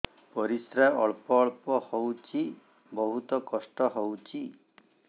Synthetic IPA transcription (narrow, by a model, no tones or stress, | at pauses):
pɔɾisɾajɔɭpɔːɭpɔhowt͡ʃʰi | bɔɦut̪ɔkɔsʈɔɦɔwt͡ʃʰi